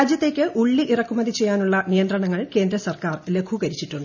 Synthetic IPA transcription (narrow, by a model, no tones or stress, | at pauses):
aːd͡ʑjɐt̪ːeːkʲːɨʔuɭːiʔirɐkːumɐd̪it͡ɕe̞jːaːnuɭːɐnijɐnd̪rɐɳɐŋːɐɭke̞ːnd̪ɾɐsɐrkaːrle̞kʰukɐɾit͡ɕːiʈːuɳɖɨ